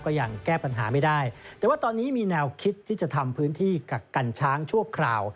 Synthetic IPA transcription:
kɔː˥˩ja˨˩ŋkɛː˥˩pa˧nɦaː˩˦ma˥˩jdaː˥˩jt̪ɛː˨˩waː˥˩t̪ɔː˧nːiː˦˥miː˧nɛː˧wkʰi˦˥t̪ʰːiː˥˩t͡ɕa˨˩t̪ʰa˧mpʰɯː˦˥nt̪ʰiː˥˩ka˨˩ka˧nt͡ɕʰaː˦˥ŋt͡ɕʰu˥˩əkʰɾaː˧˩w

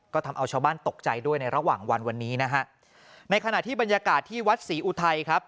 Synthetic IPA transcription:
kɔː˥˩t̪ʰa˧mʔa˧wt͡ɕʰaː˧wbaː˥˩nt̪o˨˩k̚t͡ɕa˧jdu˥˩əjna˧jɾa˧waː˨˩ŋwa˧nwa˧nːiː˦˥na˦˥kʰa˦˥ʔ | na˧jkʰa˧na˨˩t̪ʰiː˥˩ba˧njaː˧kaː˨˩t̪ʰːiː˥˩wa˦˥t̪̚siː˩˦ʔuː˧t̪ʰa˧jkʰɾa˦˥p̚

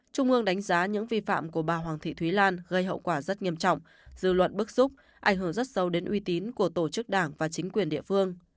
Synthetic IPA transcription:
t͡ɕʊ˧ŋ͡mʔɨ˧əŋɗa˨˦jŋ̟zaː˨˦ɲɨ̰˧˥ŋvi˧fa̰ː˧˨mku˧˩əɓaː˨˩ɦwaː˨˩ŋt̪ʰḭ˧˨t̪ʰwi˨˦laː˧nɣə˧jhɦə̰˧˨wkwaː˧˩zə˦˥t̚ɲi˧əmt͡ɕɔ̰˧˨wŋ͡m | z̥ɨ̰˧˨lwə̰˧˨t̚ɓɨ˦˥k̚z̥ʊ˦˥k͡p̚ | ʔa˧˩ŋ̟ɦɨ˧˩ŋzə˦˥t̚sə˨˦wɗe˨˦nʔwi˨˦t̪i˨˦nku˧˩ət̪o˧˩t͡ɕɨ˦˥k̚ɗaː˧˩ŋvaː˨˩t͡ɕï˨˦ŋ̟kwi˨˩ənɗḭ˧əfɨ˧əŋ

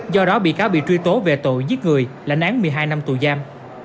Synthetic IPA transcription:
zɔ˧ɗɔ˨˦ɓḭ˧˨kaː˨˦wɓḭ˧˨t͡ɕwi˧t̪o˨˦ve˨˩t̪o̰˧˨jzi˦˥t̚ŋɨ˨˩əjla̰˧˩jŋʔaː˨˦ŋmɨ˨˩əjɦaː˧jna˧mt̪u˨˩jzaː˧m

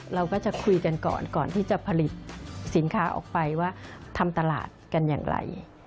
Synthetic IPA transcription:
ɾa˧wkɔː˥˩t͡ɕa˨˩kʰu˧jka˧nkɔ̰ː˨˩nkɔː˨˩nt̪ʰiː˥˩t͡ɕa˨˩pʰa˧li˨˩t̪̚si˩˦nkʰaː˦ʔɔ̰ː˨˩k̚pa˧jwaː˥˩t̪ʰa˧mt̪a˧la̰ː˨˩t̪̚ka˧nja̰ː˨˩ŋɾa̰˧j

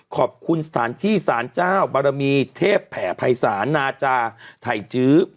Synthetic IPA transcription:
kʰɔː˨˩p̚kʰu˧nsḁ˧t̪ʰaː˩˦nt̪ʰiː˥˩saː˩˦nt͡ɕaː˥˩wbaː˧ɾa˧miː˧t̪ʰeː˥˩pʰːɛː˩˦pʰa˧jsaː˩˦nːaː˧t͡ɕaː˧t̪ʰa˨˩jt͡ɕɯː˦˥

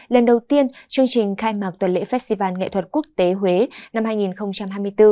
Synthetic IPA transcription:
lə˨˩nɗə˨˩wt̪i˧ənt͡ɕɨ˧əŋt͡ɕï˨˩ŋ̟xaː˧jmaː˨˩k̚t̪wə˨˩nlḛ˧˥fɛ˦˥t̚st̪i˧vaː˧nŋḛ˧˨t̪ʰwə˨˩t̚ku˦˥ək̚t̪e˨˦ɦwe˨˦na˧mhaː˧jŋi˨˩nxə˧wŋ͡mt͡ɕa˧mɦaː˧jmɨ˧əjt̪ɨ˧

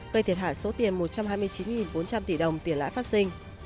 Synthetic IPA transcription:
ɣə˧t̪ʰi˨˩ət̚ɦa̰ː˧˨jso˨˦t̪i˨˩ənmo˨˩t̚t͡ɕa˧mhɦaː˧jmɨ˧əjt͡ɕi˨˦nŋi˨˩nɓo˨˦nt͡ɕa˧mt̪ḭ˧˩ɗə˨˩wŋ͡mt̪i˨˩ənla̰ː˧˥jfaː˦˥t̚si˧ŋ̟

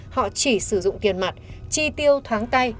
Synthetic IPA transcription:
hɔ̰˧˨t͡ɕi˧˩sɨ˧˩zʊ̰˧˨ŋ͡mt̪i˨˩ənma˨˩t̚t͡ɕi˧t̪i˧əwt̪ʰwaː˨˦ŋt̪a˧j

